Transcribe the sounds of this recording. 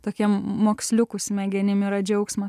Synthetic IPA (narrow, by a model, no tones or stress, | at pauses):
t̪oːkʲiɛmmoːksʲlʲʊkʊsmʲɛɡʲɛnʲɪmɪɾɐd͡ʒʲɛʊksmɐ